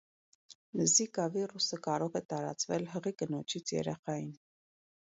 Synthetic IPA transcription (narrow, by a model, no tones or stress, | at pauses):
zikɑvirusəkɑɾɔʁɛt̪ɑɾɑ̰t͡svɛlɦəʁikənɔt͡ʃʰit͡sʰjɛ̰ɾɛχɑjin